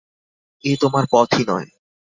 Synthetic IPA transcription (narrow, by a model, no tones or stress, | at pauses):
et̪omaɾpɔt̪ʰinɔ̰e